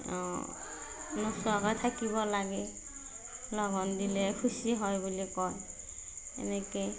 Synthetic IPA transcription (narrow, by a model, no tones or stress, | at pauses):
ɔ | nɔsakɔjtʰakiβɔlaɡɛ | lɔɡɔndilɛkʰusiɦɔjbulikɔj | ɛ̰nɛkuj